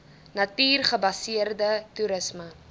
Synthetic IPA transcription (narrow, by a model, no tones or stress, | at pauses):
nɐtiːrχəbɐsiərdətuɾəsmə